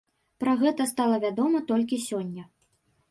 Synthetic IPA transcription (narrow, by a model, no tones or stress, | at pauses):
pɾaɣɛt̪ɐst̪alˠɐvʲad̪ɔmɐt̪ɔlʲkʲisʲɔnʲːɐ